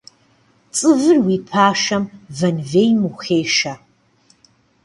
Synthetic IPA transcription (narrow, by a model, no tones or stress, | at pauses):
t͡sʼɨvɨrwiːpʰaːʃɐmvɐnveːjmuxeːʃɐ